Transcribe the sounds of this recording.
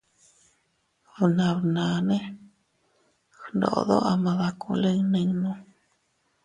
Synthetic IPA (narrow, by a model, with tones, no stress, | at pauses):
βnã˧βnã˨nẽ˦ | xndo̰˨ʔðo̰˦ʔa˧mã˧ða˧kũ˧le˦˧nẽ˧ŋnõ˧